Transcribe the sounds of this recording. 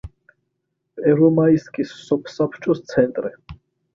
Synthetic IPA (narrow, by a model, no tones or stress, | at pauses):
pʼɛɾɔmaiskʼisːɔpʰsapʰt͡ʃʰʼɔst̪sʰɛnt̪ʼɾi